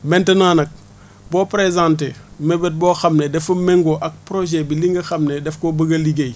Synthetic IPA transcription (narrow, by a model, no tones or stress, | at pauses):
mentenaːnɐk̚ | boːpɾezãntemebet̚boːxamnedɛfɐmeŋɡoʔak̚pɾoʒebiliŋɡɐxamnedɛfkobɐɡɐliɡej